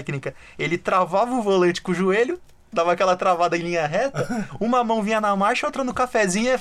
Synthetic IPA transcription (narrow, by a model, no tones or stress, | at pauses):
knikɐ | elɪt̪ɾavavɐʊvolẽt͡ʃɪ̥kõʒueʎʊ | d̪avɐaːkɛlɐt̪ɾavad̪ɐẽlĩɲɐɦɛt̪ɐũmɐmɐ̃w̃vĩɲɐnɐmaɾʃɐot̪ɾɐ̃nʊkafɛzĩɲɐ